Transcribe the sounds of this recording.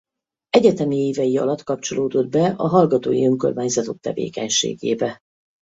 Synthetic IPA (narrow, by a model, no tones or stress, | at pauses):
ɛɟɛt̪ɛmieːvɛjiɒ̰lɒt̪kɒpt͡ʃo̞loːd̪o̞d̪̚bɛɒɦɒlɡɒt̪oːjiøŋko̞̰rmaːɲzɒt̪o̞k̚t̪ɛ̰vḛːkɛɲʃḛːɡḛːbɛ